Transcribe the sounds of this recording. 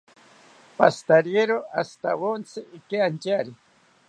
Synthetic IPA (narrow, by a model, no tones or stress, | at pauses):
past̪aɾjeɾoʔast̪a̰wont͡sʰɪɪkeant͡ʃaɾɪ